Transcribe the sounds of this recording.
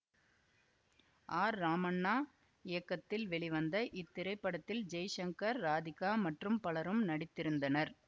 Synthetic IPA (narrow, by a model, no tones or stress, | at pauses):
ʔaːɾːaːmɐɳːaː | ɪjɐkːɐt̪ːɪlʋɛɭɪʋɐnd̪ɐʔɪt̪ːɪɾɐɪpːɐɽɐt̪ːɪld͡ʒɐjʂɐŋkɐɾːaːðɪkaːmɐʈrɯmpɐɭɐɾɯmnɐɽɪt̪ːɪɾɯnd̪ɐnɐɾ